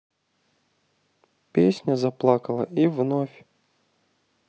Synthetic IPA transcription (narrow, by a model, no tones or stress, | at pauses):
pʲesʲnʲɐzɐplˠɑkɐlˠɐ̰ivnɔfʲ